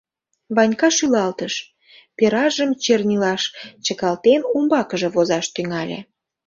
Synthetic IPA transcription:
βɑnʲkɑʃylɑlt̪əʃ | peɾɑʒəmt͡ɕernʲilɑʃt͡ɕəkɑlt̪enumbɑkəʒĕβozɑʃt̪yŋɑlʲḛ

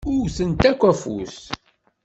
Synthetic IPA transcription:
ʊɾθənt̪ækʷːæfṵs

